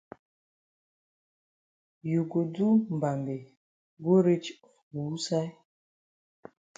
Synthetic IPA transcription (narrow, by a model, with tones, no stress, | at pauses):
ju˨ɡo˨du˦m̩˨ba˨mbe˨ | ɡo˦ɾe˦t͡ʃbuː˨˦sa˦j